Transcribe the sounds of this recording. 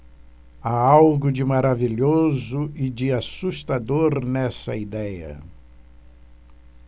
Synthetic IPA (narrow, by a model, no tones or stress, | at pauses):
aawɡʊd͡ʒɪmaɾaviʎozʊɪd͡ʒɪasust̪ad̪oɾnɛsɐ̰id̪ɛjɐ̰